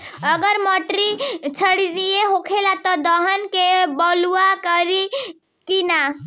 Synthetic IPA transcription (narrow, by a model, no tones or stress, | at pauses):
əɡəɾmɔʈɾit͡ʃʰəɽiɾieɦokʰelat̪ɔd̪əɦənkebɔluakəɾi | kina